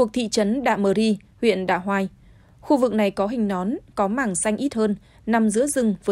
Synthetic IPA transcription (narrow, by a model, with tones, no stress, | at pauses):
u˨ək̚t̪ʰḭ˧˨t͡ɕə˨˦nɗa̰ː˧˨məː˨˩ɾi˧ | hwḭ˧˨ənɗa̰ː˧˨ɦwaː˧j | xu˧vɨ˨˩k̚na˨˩jkɔ˨˦ɦï˨˩ŋ̟nɔ˨˦nkɔ˨˦maː˨˩ŋsa˧jŋ̟ʔi˦˥t̚həː˧n | na˨˩mzɨ̰˧˥əzɨ˧ŋvəː˨